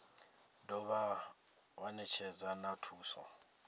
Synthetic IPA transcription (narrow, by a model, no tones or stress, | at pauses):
dɔβa | wanɛt͡ʃʰɛd͡zanatʰuːsɔ̰